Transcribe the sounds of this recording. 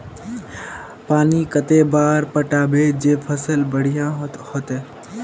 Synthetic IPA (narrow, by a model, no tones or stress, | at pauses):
paːnikət̪ebaːɾpəʈaːbed͡ʒeːpʰəsəlbəɽ̤ijãhoːt̪ɛː